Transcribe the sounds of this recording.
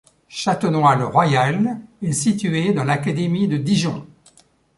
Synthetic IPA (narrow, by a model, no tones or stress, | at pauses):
ʃat̪ənwalʁwajalɛsit̪yed̪ɑ̃lakad̪emid̪əd̪iʒɔ̃